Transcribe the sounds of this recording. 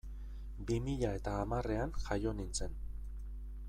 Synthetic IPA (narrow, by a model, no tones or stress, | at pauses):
bimiʎae̞t̪aːmare̞anxajo̞nint͡se̞n